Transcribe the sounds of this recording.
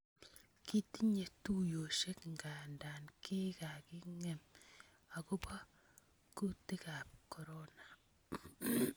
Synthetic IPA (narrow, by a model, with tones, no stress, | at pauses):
ki˦ti˦ɲe˨tu˦jo˨ʃe˦kŋɡa˨nda˨nke˦ka˨ki˦ŋe˦m | a˨ko˦ba˦ | ku˦ti˦ka˨p̚kɔ˨ɾɔ˦na˨